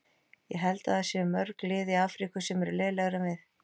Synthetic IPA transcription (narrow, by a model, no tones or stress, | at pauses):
jɛɦɛlt̪aðasɛmœɾklɪːðiaːfɾikʏsɛmɛɾʏlɛːlɛɣɾʏvɪθ